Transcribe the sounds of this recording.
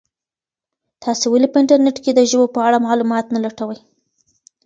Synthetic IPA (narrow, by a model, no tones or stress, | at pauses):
t̪ʰɑsewalipəɪɳʈaɾneʈked̪əʒəbopəaɽamɑlumɑt̪nalaʈawəj